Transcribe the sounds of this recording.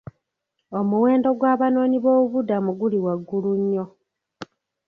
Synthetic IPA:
o̞muwe̞ːndo̞ɡwaːβano̞ːniβo̞ːuβudamuɡuliwaɡːuluɲːo̞

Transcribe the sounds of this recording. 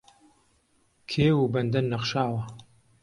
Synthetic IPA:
kʰeːwubɐnd̪ɐnːɐqʃaːwɐ

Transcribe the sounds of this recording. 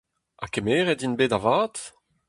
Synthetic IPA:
a̰kemeːʁɛdinbeːdavaːt̪

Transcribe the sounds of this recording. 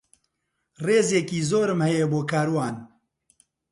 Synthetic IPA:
reːzeːkiːzoːɾɨmhɛjeboːkʰaːɾwaːn

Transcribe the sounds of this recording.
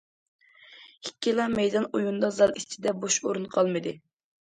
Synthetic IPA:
ikʲːilˠɑmɛjd̪ɑnojund̪ɑzɑlˠist͡ʃʰɪd̪ɛboʃoɾunqʰɑlˠmɨd̪ɨ

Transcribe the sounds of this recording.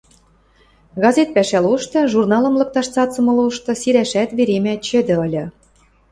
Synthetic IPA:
ɣɑzʲet̪̚pæʃæluʃt̪ɤ̆ʒurnɑlɤ̆mlɤ̆k̚t̪ɑʃt͡sɑt͡sɤ̆mɤ̆luʃt̪ɤ̆siɾæʃæt̪βeɾemæt͡ɕɘ̆d̪ɘ̆ɤ̆lʲɤ̆

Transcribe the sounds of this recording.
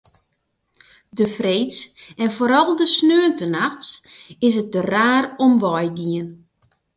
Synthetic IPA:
dəfrejtsɛnfoːɾɔlˠdəsnøəntənaxtsɪsət̚dəraːɾɔmʋɔjɡiən

